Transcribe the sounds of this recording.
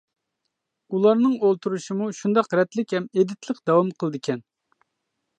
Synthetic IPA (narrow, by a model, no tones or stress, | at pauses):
ulˠɑɾnɨŋolˠt̪ʰuɾuʃimuʃund̪ɑqɾɛt̪lɪkʲhɛmed̪ɪt̪lˠəqd̪ɑwɑmqʰəlˠd̪ɨkʲʰɛn